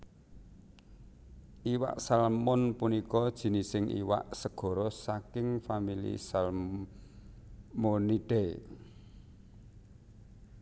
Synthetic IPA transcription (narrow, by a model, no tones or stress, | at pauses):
ʔiwa̰ʔsalmɔnpunikɔd̥ʒ̥i̤nisɪŋʔḭwa̰ʔsəɡ̥ɔ̤ɾɔsakɪŋfamilḭsal | moniɖ̥ɛ